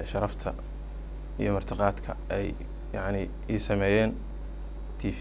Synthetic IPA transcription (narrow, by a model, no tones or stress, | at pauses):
ʃɑɾɑft̪ʰɐ̰ | ijɞmɐrt̪ʰɑqɑːd̪kʰɐ̰ʔɛj | jɑʕnɪ | iːsɐmɛːjɛːn | t̪ʰiːf